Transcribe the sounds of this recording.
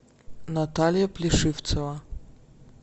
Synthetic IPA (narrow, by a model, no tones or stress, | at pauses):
nat̪alʲjɐplʲɪʂɨft̪səvɐ